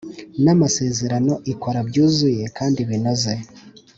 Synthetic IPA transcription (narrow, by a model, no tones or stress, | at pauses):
namase̞ːze̞ɾano̞ʔiko̞ɾabɟuːzuje̞kaːndiβino̞ze̞